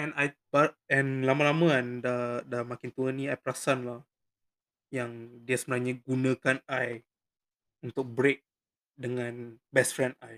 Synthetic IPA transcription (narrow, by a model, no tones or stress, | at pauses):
ɛ̃najbaɛnlamalamãɛndadamakint̪uəniajpɾasanlah | jaŋdiəsəbənaɲaɡunə̃kanaj | unt̪ʊk̚bɾek̚ | dəŋãnbɛsfɾɛ̃ndaj